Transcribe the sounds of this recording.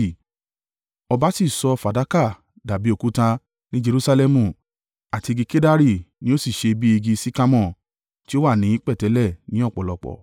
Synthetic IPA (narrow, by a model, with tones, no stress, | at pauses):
ɔ˧ba˦si˦˨sɔ˧fa˨da˨˦ka˦˨ | da˨bi˨˦o˦˨ku˨˦tã˧ | nĩ˦d͡ʒe˧ɾu˦sa˧lɛ˦mũ˨ | a˨ti˧ɡi˧ke˦da˦ɾi˦˨nĩ˦o˦si˦˨ʃe˧bi˦i˧ɡi˧si˦ka˦mɔ̃˦˨ | ti˦o˦wa˦˨nĩ˨˦i˦k͡pɛ˦˨tɛ˨˦lɛ˦˨nĩ˨˦ɔ˦˨k͡pɔ˨lɔ˨k͡pɔ̰˨